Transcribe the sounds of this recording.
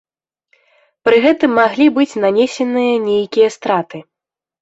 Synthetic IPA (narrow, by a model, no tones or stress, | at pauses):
pɾɨɣɛt̪ɨmːaɣlʲibɨt͡sʲnanʲesʲɛnɨjɐnʲejkʲijɐst̪ɾat̪ɨ